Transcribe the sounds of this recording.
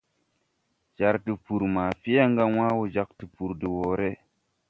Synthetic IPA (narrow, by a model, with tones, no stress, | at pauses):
d͡ʒ̥a˨ɾti˨pu˨ɾmaː˨fi˦ja˦ŋɡa˦w̃a˦wo˨d͡ʒa˨k̚ti˨pu˨ɾdi˨woː˨ɾe˦